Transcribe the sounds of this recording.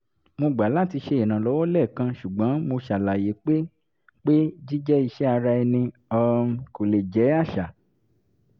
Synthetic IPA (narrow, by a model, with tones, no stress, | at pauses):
mo˧ɡ͡ba˨˦la˦˨ti˧ʃe˧e˨nã˨lɔ˨˦wɔ˦lɛ˦˨kã˧˦ʃu˨ɡ͡bɔ̃˨˦mo˧ʃa˨la˨je˨˦k͡pe˦ | k͡pe˦d͡ʒi˦d͡ʒɛ˦i˧ʃɛ˦a˧ɾa˧ɛ˧nĩ˧ | ɔ˧ko˨le˨d͡ʒɛ˨˦a˦˨ʃa˨